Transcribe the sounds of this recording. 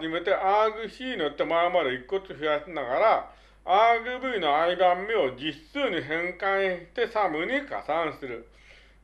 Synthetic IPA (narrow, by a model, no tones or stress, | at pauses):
d͡ʑimet̪eʔaɡɯ̟ɕiːnot̪ːemaomad̪eikːot͡sɨɸijasinaɡaɾaː | ɡɯbɯinoaibamːeod͡ʑisɨːɲiɦẽŋkãɰ̃t̪esamɯɲ̟ika̰sãñsɨɾɯ